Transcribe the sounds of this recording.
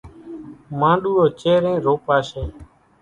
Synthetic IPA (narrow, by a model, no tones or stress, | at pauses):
mãːɗuːoːt͡ʃeːɾẽːɾoːpaːseː